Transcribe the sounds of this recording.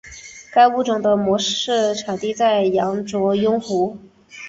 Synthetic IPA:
ka˥ɪu˥˩ʈ͡ʂʊ˨˩ŋd̪ə˦mwɔ˧˥ʂɻ̩˥˩ʈ͡ʂʰɑ˨˩ŋt̪i˥˧t͡sa˥˩ɪjɑ˧˥ŋʈ͡ʂwɔ˧˥jʊ˥ŋxu˧˥

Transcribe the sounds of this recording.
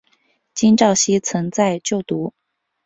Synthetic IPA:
t͡ɕi˥nʈ͡ʂɑ˥˩ʊɕi˥t͡sʰɤ˧˥ŋt͡sa˥˧ɪt͡ɕjo˥˩ʊt̪u˧˥

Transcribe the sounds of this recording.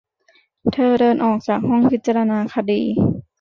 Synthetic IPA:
t̪ʰɤː˧dɤː˧nʔɔː˨˩k̚t͡ɕaː˨˩k̚ɦɔ˥˩ŋpʰi˦t̪̚t͡ɕa˧la˧naː˧kʰa˧dḭː˧˩

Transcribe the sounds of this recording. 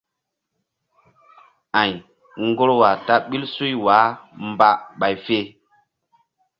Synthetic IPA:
ã˨j | ŋ˦ɡo˦ɾwa˨ta˦ɓi˦lsu˦jwaː˨˦mba˦ɓa˨jfe˦˨

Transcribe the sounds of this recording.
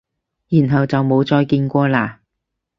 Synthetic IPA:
jyː˨˩nɦɐ˨wt͡sɐ˨wmo˨˧wt͡sɔː˧jkiː˧nkʷɔː˧laː˧

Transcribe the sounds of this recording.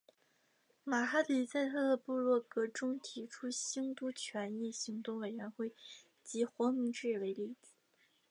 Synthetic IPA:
ma˨˩xa˥t̪i˧˥t͡sa˥˧ɪt̪ʰɤ˥˩d̪ə˧pu˥˧lwɔ˥˩kɤ˧˥ʈ͡ʂʊ˥ŋt̪ʰi˧˥ʈ͡ʂʰu˥ɕi˥ŋt̪u˥t͡ɕʰɥɛ˧˥ni˥˩ɕi˧˥ŋt̪ʊ˥˩ŋwe˨˩ɪɥɛ˧˥nxwe˥˩ɪ | t͡ɕi˧˥xwɔ˧˥mi˧˥ŋʈ͡ʂɻ̩˥˩we˧˥ɪli˥˩t͡ɕi˧˩˦

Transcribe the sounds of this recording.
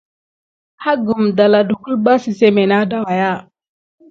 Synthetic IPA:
ha˦ɡu˨mda˨la˨du˨ku˦lba˦si˨se˦me˨na˦da˨wa˨ja˦˨

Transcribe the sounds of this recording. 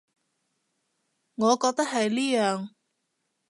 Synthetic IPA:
ŋɔː˨˧kɔː˧k̚t̪ɐ˥k̚hɐ˨jliː˥jœː˨ŋ

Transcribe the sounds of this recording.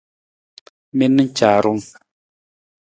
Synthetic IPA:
mi˦nɨ˦n̩˦t͡ʃaː˨ɾu˦ŋ

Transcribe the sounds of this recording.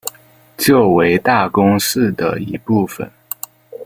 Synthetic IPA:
t͡ɕjo˥˩ʊwe˧˥ɪt̪a˥˩kʊ˥ŋʂ̩˥˩d̪ə̰˩ḭ˧˥pu˥˩fə̰˩n

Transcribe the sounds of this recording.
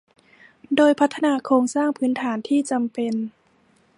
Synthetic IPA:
doː˧jpʰa˦˥t̪ʰːa˧naː˧kʰɾoː˧ŋsaː˥˩ŋpʰɯː˨˦˥nt̪ʰaː˩˦nt̪ʰiː˥˩t͡ɕa˧mpe˧n

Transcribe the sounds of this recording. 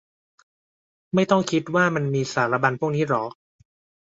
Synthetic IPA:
ma˥˩jt̪ɔ˥˩ŋkʰi˦˥t̪̚waː˥˩ma˧nmiː˧saː˩˦ɾa˧ba˧npʰu˥˩k̚niː˦˥ɾɔː˩˦

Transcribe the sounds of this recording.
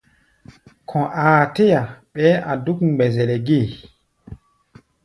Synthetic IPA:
kʰɔ̃˨ʔaː˨te˦ja˨ɓɛ˦ʔa˨du˦kɡ͡bɛ˨zɛ˨lɛ˨ɡe˦˨

